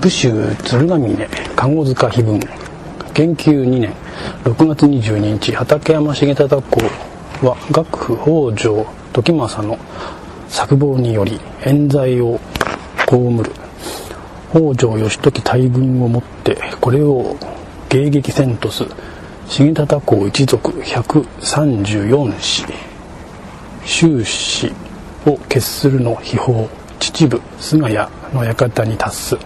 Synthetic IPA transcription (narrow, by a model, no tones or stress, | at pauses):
b̥ɯ̟ɕɨːt͡sɨɾɯ̟namʲine̞kaŋo̞zɨkaçibɯ̟̃ŋ | ɡ̥ẽ̞ŋkʲɨːɲ̟inẽ̞ŋ | ɾo̞kɯ̟ɡat͡sɨɲ̟iʑɨːɲ̟iɲit͡ɕihat̪ake̞jamaɕiŋet̪at̪ako̞ː | βaɡakɯ̟̥ɸɯ̟ho̞ːd͡ʑo̞ː | t̪o̞kʲimasano̞ | sakɯ̟bo̞ːɲ̟ijo̞ɾʲi | ẽ̞nd͡zaio̞ | ko̞ːmɯ̟ɾɯ̟ | hoːd͡ʑo̞ːjo̞ɕi̥t̪o̞kʲi̥t̪ʰaibɯ̟̃ɰ̃o̞mo̞t̪ːe̞̰ko̞ɾe̞o̞ | ɡ̥e̞ːɡe̞kʲisẽ̞nt̪o̞sɨ | ɕiŋit̪at̪ako̞ːit͡ɕizo̞kɯ̟̥çakɯ̟sãɲd͡ʑɨːjõ̞ɕi̥ | ɕɨːɕi | o̞ke̞sɨɾɯ̟no̞çiho̞ː | t͡ɕi̥t͡ɕibɯ̟ | sɨŋaja | no̞jakat̪aɲ̟it̪ʰasːɨ